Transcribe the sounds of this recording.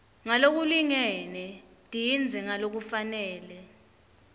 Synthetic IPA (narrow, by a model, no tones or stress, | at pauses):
ŋalok̬uliŋɛnɛ | tʼijind͡zʱɛŋalok̬ufanɛːlɛ